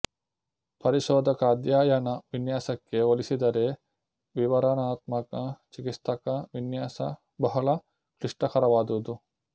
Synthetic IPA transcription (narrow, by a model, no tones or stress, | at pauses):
pɐɾiʃɔːd̪ʱɐkɐːd̪jaːjɐnɐʋinjaːsɐkːeolisid̪ɐɾe | ʋiʋɐɾɐnaːt̪mɐkɐt͡ʃikist̪ʰɐkɐʋinjaːsɐ̰ | bɐɦɐɭɐ | kɾiʂʈɐkɐɾɐʋaːd̪ud̪u